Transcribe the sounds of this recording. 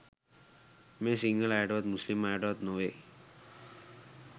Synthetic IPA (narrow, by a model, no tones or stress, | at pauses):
mesiŋɡəlajɖɔt̪muslimajʈɔt̪noʋe